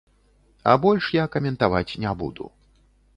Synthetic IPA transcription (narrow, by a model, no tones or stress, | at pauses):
a̰bɔlʲʂjakɐmʲɛnt̪avat͡sʲnʲɛbṵd̪ṵ